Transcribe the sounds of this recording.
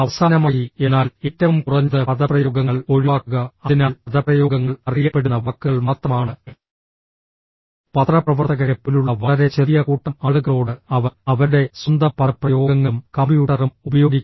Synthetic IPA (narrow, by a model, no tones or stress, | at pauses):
ɐʋɐsaːnɐmaːjienːaːlitːɐʋumkurɐɲːɐðɐpɐd̪ɐprɐjo̞ːɡɐŋːɐɭo̞ɻiʋaːkːuɣɐɐðinɐlɐd̪ɐprɐjo̞ːɡɐŋːɐɭɐrijɐpːe̞ɽunːɐʋɐkːuɐɭmaːt̪rɐmaːɳɨ | pɐt̪rɐprɐʋɐrt̪ɐɣɐɾɐpːiluɭːɐʋɐɭɐɾe̞t͡ɕeðijɐkuːʈːɐmaːɭuɣɐɭoːɽɨɐʋɐɐʋɐɾuɽe̞sund̪ɐpːɐprɐjo̞ːɡɐŋːɐmkɐmbjuːʈɐrumubɐjo̞ːɡikː